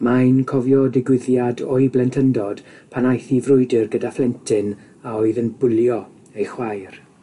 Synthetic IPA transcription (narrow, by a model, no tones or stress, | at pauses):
maɨnkʰɔvjɔdɪɡwɪðjadɔɨblɛntʰəndɔd̥pʰanajθivrʊɨdɪrɡədaflˠɛntʰɪn | aɔɨðənbʊlˠjɔ | ejχwajr